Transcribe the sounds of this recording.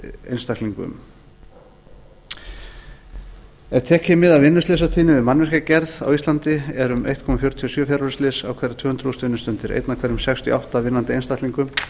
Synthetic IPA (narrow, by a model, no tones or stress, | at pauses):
ejnst̪akliŋkʏ̰m | ɛɾt̪ʰɛːhcɪmːɪðavɪnːʏstleːsat̪ʰiːnɪvɪðmanvɛɾ̥kacɛɾða̰wist̪lant̪ɪɛɾʏmḛjht̪̚kʰɔmafjɔwɾ̥t̪ʰiɔsœːfjaɾaɾslɪsa̰wkʰvɛɾɪt̪ʰvœːhʏnt̪ɾust̪vɪnːʏst̪ʏnt̪ɪɾʔḛjt̪nakʰvɛɾʏmsɛkst̪ʰjḭawht̪avɪnːant̪ɪejnst̪ahkliŋkʏm